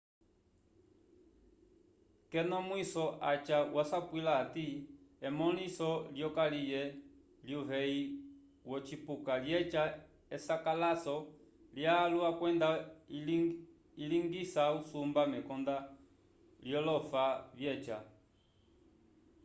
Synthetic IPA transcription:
kɛnɔmwisɔʔat͡ʃawasakwilaːtiɛmɔlisɔljɔkalijɛ | ljuβɛi | wɔt͡ʃipukaljɛt͡ʃa | ɛsakalasɔ | ljaːluakwɛnda | iliŋɡisausumbamɛkɔnda | ljɔlɔfaβjɛt͡ʃa

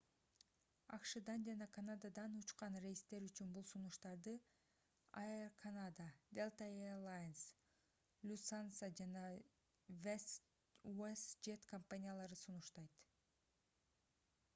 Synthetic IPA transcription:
ɑqʃɯd̪ɑnd͡ʒɑnɑkʰanad̪ad̪ɑnut͡ʃqɑnrejist̪e̞ɾyt͡ʃynbulˠsunuʃt̪ɑɾd̪ɯ | aerkʰanad̪ad̪elˠt̪aelˠajns | lʲusansad͡ʒɑnɑ | ve | uesd͡ʒet̪kompanʲijalˠɑɾɯsunuʃt̪ɑjt̪

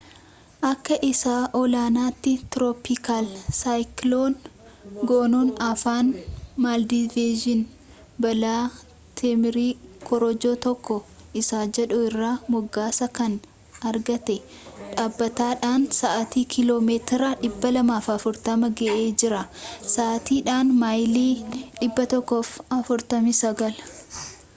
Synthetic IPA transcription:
ʔɐkːɐʔɪsaːʔɔlaːnaːt̪ːɪt̪ɾoːpɪkaːlsaːjkloːn | ɡoːnoːnɐfaːnmaːld̪iveːʒɪn | bɐlaː | t̪ʰɛmɪɾiːkʰɔɾɔd͡ʒoːt̪ɔkːɔ | ʔɪsaːd͡ʒɛᶑʊɪrːaːmɔɡːaːsɐkɐn | ɐɾɡɐt̪ɛ | ᶑaːbːɐt̪aːᶑaːnsaʔɐt̪iːkʰɪlo̞ːmeːt̪ɪɾɐᶑɪbːɐlɐmaːfɐfʊɾt̪ɐmɐɡɛʔeːd͡ʒɪɾɐsaːʔt̪iːᶑaːnmajliːᶑɪbːɐt̪ɔkːoːfɐfʊɾt̪ɐmɪsɐɡɐl

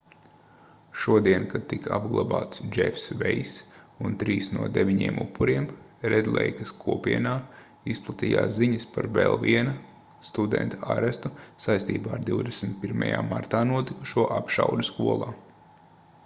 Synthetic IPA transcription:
ʃuɔd̪iɛnkad̪̚t̪ika̰bɡlˠaba̰ːt̪sd͡ʒɛ̰fsvɛjs | unt̪ɾiːsnuɔd̪eʋʲiɲiɛmṵpʰːuɾiɛm | ɾɛd̪lˠɛ̰jkɐskʰuɔpiɛnaː | isplˠat̪iːja̰ːsziɲɐspaɾvɛ̰lˠviɛnɐ | st̪ud̪ɛ̰nt̪aaɾɛst̪usajst̪ḭːbaːɾd̪iwd̪esn̩t̪̚piɾma̰ja̰ːmaɾt̪aːnuɔt̪iku̥ʃuɔʔapʃawd̪ʲuskuɔlˠaː

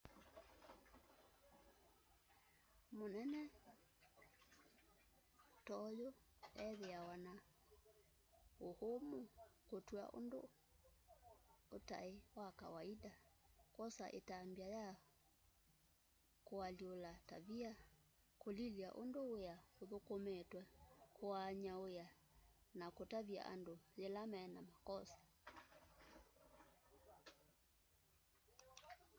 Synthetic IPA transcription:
monɛnɛ | tɔjoɛðeawana | ohomokotwa̰ʔo̰ndo̰ | ota̰ewaka̰waidakɔsa̰ʔḛtambiaja | koaliolataβia | kolilia̰ʔo̰ndoejaoðokomɛtwɛkoaɲaoja | nakotaβia̰ʔa̰ndolelamɛːnamakɔsḁ

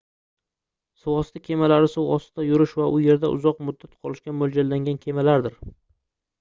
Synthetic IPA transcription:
sʊwɒst̪ʰɪkʲʰe̞malaɾɪsʊwɒst̪ʰajʊɾɪʃvaʔʊje̞ɾd̪aʔʊ̰zɒqmʊd̪ːat̪̚qʰɒlˠɪʃkʲamold͡ʒalːaŋɡʲankʲʰe̞malaɾd̪ɪɾ

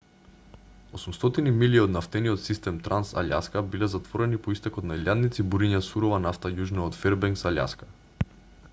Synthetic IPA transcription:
osumst̪ɔt̪inimiliod̪naft̪ɛniot̪sist̪ɛmt̪ɾansa̰lʲa̰skabilɛzat̪vɔɾɛnipoist̪ɛkoɔt̪nailʲjad̪nit̪sibuɾiɲasuɾovanaft̪ajuʒnaot̪fɛɾbɛŋksalʲa̰skḁ

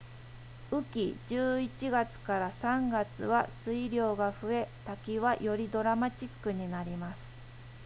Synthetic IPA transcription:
ɯ̟kʲid͡ʑɨːit͡ɕiɡat͡sɨ̥kaɾasãŋɡat͡sɨβasɨiɾʲo̞ːɡaɸɯ̟e̞t̪akʲiβajo̞ɾʲid̪o̞ɾamat͡ɕikːɯ̟ɲ̟inaɾʲimasɨ̥

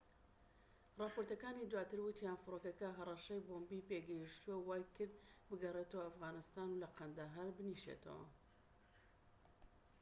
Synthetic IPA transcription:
rˤɑːpoɾt̪ɐkaːnid̪waːt̪ɨɾwɨt̪ijanfɨɾokɐkɐɦɐrˤɐʃɐjboːmbipeɡɐjiʃt̪uwɐwaːjkɨɾd̪bɨɡɐret̪ɐwɐɐfɣaːnɨst̪aːnulɐqʰɐnd̪aɦɐɾbɨniʃḛt̪ʰɐ̰wɐ̰

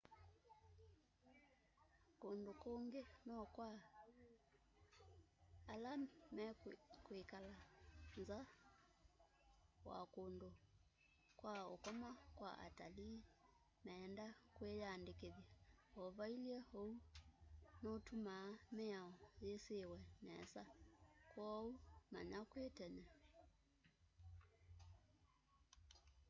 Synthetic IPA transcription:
kondokoŋɡenɔkwa | alamɛkoekalanza | wa̰kondo | kwaokɔmakwa̰ʔa̰tali | mɛːndakwejaːndekeðjaɔvailiɛhɔu | nɔtumaːmeaɔjesewɛmɛsakwɔuma̰ɲakwetɛɲɛ

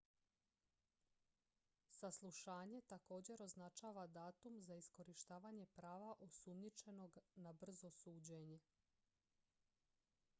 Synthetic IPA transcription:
saslˠuʃaːɲe̞t̪ako̞ːd͡ʑe̞ɾo̞znat͡ʃaːʋad̪aːt̪umzaisko̞ɾiʃt̪aːʋaɲe̞pɾaːʋaʔosumnit͡ʃe̞no̞ɡnabr̩zo̞suːd͡ʑeɲe

